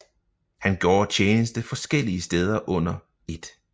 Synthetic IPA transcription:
hænɡ̥jɒ̰ːt͡ɕʰeːnəsd̥əfɒ̽sɡ̥el̰iəsd̥eːð̞ˠɐʔɔ̽n̰ɐ | e̝d̥

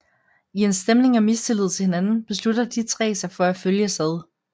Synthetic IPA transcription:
ie̝nsd̥emne̝ŋæmist͡sʰe̝liðˠt͡sʰe̝lhe̝nænn̩b̥e̝slud̥ɐd̥it͡sʰʁɛ̰ːsɑ̈ɪfɒ̽æføljəsæð̞ˠ

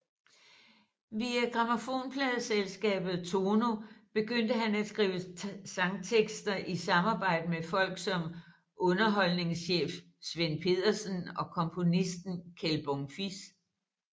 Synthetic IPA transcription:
ʋiæɡ̥ʁɑmofo̝̰ːnpʰlɛðˠselsɡ̥ɛ̰ːb̥ð̞̩ˠt͡sʰo̝ːno̝b̥e̝ɡ̥øn̰d̥əɦænæ̥sɡ̥ʁḭːʊəsɑ̈ŋt͡sʰeɡ̥sd̥ɐʔisɑ̈mɑ̈ːb̥ɑ̈ɪ̰d̥əmefɒ̽l̰ɡ̥sɒ̽m | ʔɔ̽nɐɦɒ̽lne̝ŋsɕḛːf | sʋenpʰe̝ð̰ˠɐsən̩ɒ̽kʰɒ̽mpʰo̝nisd̥n̩kʰelb̥ɔŋfis

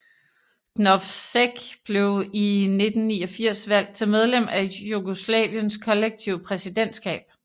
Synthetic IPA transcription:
nɒfseɡ̥b̥le̝ʊine̝d̥n̩niːɒ̽fiɐ̰sʋæl̰d̥̚t͡sʰe̝lmeð̞ˠlem̰æe̝juɡ̥oslɛ̰ːʋiənskʰɒ̽leɡ̥̚t͡sʰiʊ̰pʰʁɛsid̥en̰d̥sɡ̥ɛ̰ːb̥

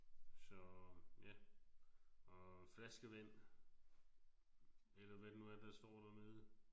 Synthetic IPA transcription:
sɒ̽jæ | ɒflæsɡ̥əʋen̰ | elɐʋædnuæd̥ɑsd̥ɒ̰ːd̥æɐne̝ð̞ˠ

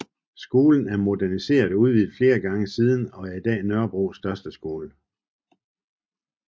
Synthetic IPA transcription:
sɡ̥o̝ːln̩æɐmo̝d̥æɐnise̝̰ːɐðˠuðˠʋið̰ˠfle̝ːɐɡ̥ɑ̈ŋəsiːð̞ˠn̩ɒ̽æɐid̥ɛ̰ːnœɐb̥ʁo̰ːsd̥ɶɐsd̥əsɡ̥o̝ːlə

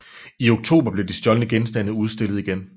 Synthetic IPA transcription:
io̝ɡ̥̚t͡sʰo̝̰ːb̥ɐb̥le̝d̥isd̥jɒ̽lənəɡ̥ensd̥æn̰ð̩ˠuð̞ˠsd̥e̝lð̩ˠiɡ̥en

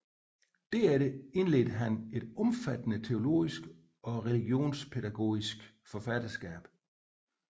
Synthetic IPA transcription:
d̥æɐeɾ̥əe̝nle̝ːdəɦæne̝d̥ɒ̽mfæd̥ənət͡sʰe̝o̝lo̝̰ːisɡ̥ | ɒ̽ʁɛliɡ̥jo̝̰ːnspʰe̝ɾæɡ̥o̝̰ːisɡ̥ | fɒ̽fæd̥ɐsɡ̥ɛ̰ːb̥

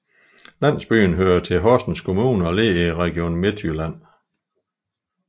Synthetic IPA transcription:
læn̰sb̥y̰ːnɦøːɐt͡sʰe̝ɦɒsd̥n̩skʰo̝muːnəɒ̽le̝ːiʁɛɡ̥io̝̰ːnme̝dʰylæn̰

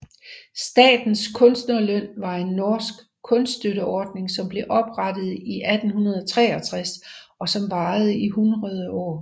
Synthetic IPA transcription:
sd̥ɛ̰ːd̥n̩skʰɔ̽nsd̥nɐløn̰ʋɑ̈e̝nːɒːsɡ̥ | kʰɔ̽nssd̥øɾəɒːd̥ne̝ŋsɒ̽mb̥le̝ʔɒ̽b̥ʁɑd̥əð̞̩ˠiʔæd̥n̩hunɐð̞ˠɒt͡sʰʁɛːɐt͡sʰʁɛsɒ̽sɒ̽mʋɑ̈ːð̞̩ˠəiɦunʁɐð̞ˠəɒ̰ː

